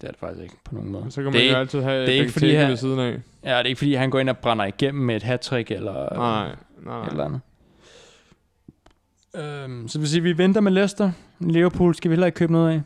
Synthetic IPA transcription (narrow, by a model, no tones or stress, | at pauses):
d̥e̝æɐde̝̥fɑ̈ɡ̥isɡe̝ɡ̥pʰɒ̽no̝̰ːŋn̩mɔ̽ːðˠɐsɒkʰæmd̥eælt͡sʰiðˠɦɛd̥e̝e̝ɡ̥ə̥fɒd̥ḭːæessiːð̞ˠn̩ɛ̰jæd̥e̝e̝ɡ̥fdḭːɦænɡɒ̰ːe̝nɒb̥ʁɑ̈nɐiɡ̥em̰m̩mee̝d̥ɦæt͡sʰʁiɡ̥elɐ | ed̥lænð̩ˠ | ømsɒd̥eʋesiːʋiʋend̥ɐmelesd̥ɐ | leɐpʰṵːlsɡ̥æʋihelɐeɡ̥kʰøːb̥no̝ðˠɛ̰ɪ